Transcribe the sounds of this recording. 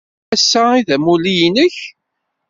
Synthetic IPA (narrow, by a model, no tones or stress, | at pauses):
æsːæiðæmulijnəç